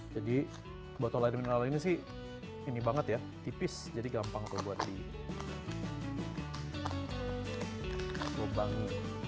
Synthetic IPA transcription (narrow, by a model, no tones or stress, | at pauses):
d͡ʒadi | buat̪alanmənalainisɪh | inibaŋət̪ja | t̪ipɪsd͡ʒadiɡampaŋtəbuat̪̚di | bobaŋi